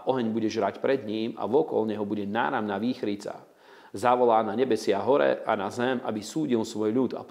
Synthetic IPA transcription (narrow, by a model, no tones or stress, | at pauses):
ʔɔɦɛɲbuɟɛʒɾacpɾɛd̪ɲiːma̰ʋɔkɔ̰lɲɛɦɔbuɟɛna̰ːɾamnaʋiːxɾit͡sa̰ | zaʋɔlaːnaɲɛbɛsɪaɦɔɾɛ̰ʔanazɛmʔa̰bisuːɟilsʋɔjʎut̪a̰p